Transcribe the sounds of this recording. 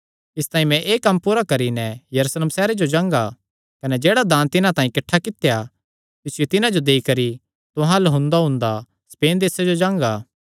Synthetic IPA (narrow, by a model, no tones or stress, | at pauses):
ɪst̪ãːĩmɛ̃ʔeːkɐmpuːɾakɐɾinɛjɐɾuːsleːmsɛːɾed͡ʒod͡ʒãːŋɡa | kɐnɛd͡ʒeːɽad̪ãːnt̪ɪnãt̪ãːĩkɐʈʰːakɪt̪ja | k̪ɪsɪjut̪ɪnãd͡ʒod̪eikɐɾi | t̪ʊ̃ɦãlɐɦʊ̃nd̪aɦʊ̃nd̪a | speːnd̪eːsed͡ʒod͡ʒãːŋɡaː